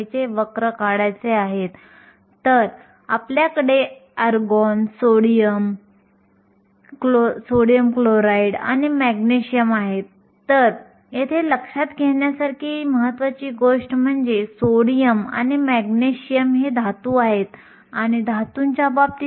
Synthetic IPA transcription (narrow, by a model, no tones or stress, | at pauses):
t͡seʋəkɾəkaɽajt͡seaɦet̪ː | əɾ | apljakəɽeəɾɡɔnsoɽijəm | kosoɽijəmkloɾaiɽa̰ñimæɡneɕijəmaɦet̪ː | əɾ | jet̪ʰeləkʂat̪ɡʱeɳjasaɾkʰiːməɦət̪ʋat͡ɕiːɡoʂʈm̤əɳd͡zesoɽijəma̰ñimæɡneɕijəmɦed̪ʱat̪uːaɦet̪ | añid̪ʱat̪uɲt͡ɕabab̚t̪i